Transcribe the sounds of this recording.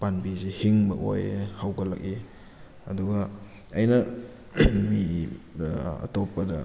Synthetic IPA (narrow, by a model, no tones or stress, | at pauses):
panbizehiŋbɐʔo̰jhawɡɐlɐ̰k̚i | ɐ̰duɡɐ | ɐjnɐ | mi | ɐ̰topːɐdɐ̰